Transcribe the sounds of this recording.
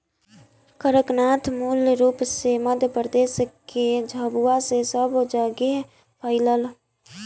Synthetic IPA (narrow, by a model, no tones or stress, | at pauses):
kəɾəknat̪ʰmuːlɾuːpseməd̪ʱjəpɾəd̪eːsked͡ʒʱəbuasesəbd͡ʒəɡe | pəɪləl